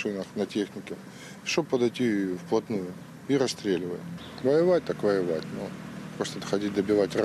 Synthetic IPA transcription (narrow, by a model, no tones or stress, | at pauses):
ɨnəxnɐtʲe̞xnʲɪkʲɪ | ʂt̪obpəd̪ɐjtʲifplˠɐt̪nujʊ | iɾɐsst̪ɾʲelʲɪvəjʊ | vɐjɪvat̚ʲt̪akvəjɪvatʲnupɾost̪əxɐdʲit̚ʲd̪əbʲɪvatʲr